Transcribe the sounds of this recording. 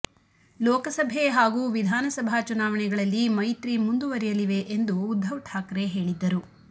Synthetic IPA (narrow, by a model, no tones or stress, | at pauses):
lɔːkɐsɐbʱeɦaːɡuʋid̪ʱaːnɐsɐbʱat͡ʃunaːʋɐɳɛɡɐɭɐlːimɐjt̪ɾimund̪uʋɐɾɛjɐliʋe̞ʔend̪uːd̪ʱːɐʋʈʰaːkɾe̞ɦe̞ːɭid̪ːɐɾu